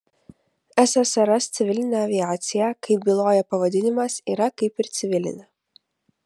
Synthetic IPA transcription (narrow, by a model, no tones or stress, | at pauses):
æsɐsɐɾɐst̪sʲɪʋʲɪlʲɪnʲɛɐʋʲɪaːt̪sʲɪjɛkɐɪp̚ɡʲilˠoːjɛpɐʋɐd̪ʲɪnʲɪmɐsiːɾɐkɐɪpɪɾt̪sʲɪʋʲɪlʲɪ̰nʲɐ